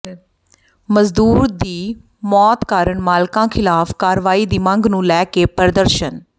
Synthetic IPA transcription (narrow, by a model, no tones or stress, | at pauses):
məzd̪uːɾd̪iː | mɔːt̪kaːɾəɳmaːlkãːkʰɪlaːfʰkaːɾʋaːiːd̪iːməŋɡnũːlɛːkeːpəɾd̪əɾʃən